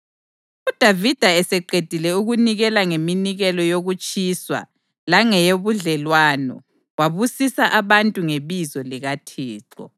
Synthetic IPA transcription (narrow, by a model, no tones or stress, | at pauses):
ud̥ʱavid̥ʱaɛsɛǃed̥ʱilɛuɣuniɣɛlaŋeminiɣɛlɔjoɣut͡ʃʼiswa̰ | laŋɛjoβuɮɛlwanɔ̰ | waβusisaʔaβantʼuŋeβizɔliɣatʰiːǀɔ̰